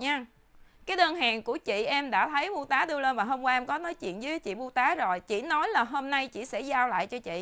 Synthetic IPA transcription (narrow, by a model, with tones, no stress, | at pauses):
ɲaː˧ | kaː˨˦jɗəː˧nɦaː˨˩ŋku˧˩ət͡ɕḭ˧˨ʔɛ˧mɗa̰ː˧˥t̪ʰə˨˦jɓu˧t̪aː˨˦ɗɨ˧əle˧nvaː˨˩ɦo˧ŋ͡mkwaː˧ʔɛ˧mkɔ˨˦nɔ˨˦jt͡ɕwḭ˧˨ənzɨ˨˦˨t͡ɕḭ˧˨ɓu˧t̪aː˨˦zo˨˩jt͡ɕḭ˧˨nɔ˨˦jlaː˨˩ɦo˧mna˧jt͡ɕḭ˧˨sɛ̰˧˥zaː˧wla̰ː˧˨jt͡ɕɔ˧t͡ɕḭ˧˨ʔ